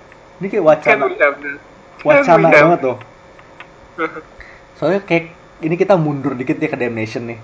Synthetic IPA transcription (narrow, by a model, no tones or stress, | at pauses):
inikaʔwat͡ʃana | wat͡ʃanaumat̪ʊh | soakajək̚ | inikit̪amundʊrdikɪt̪̚d͡ʒakədaɛmnesənːɪh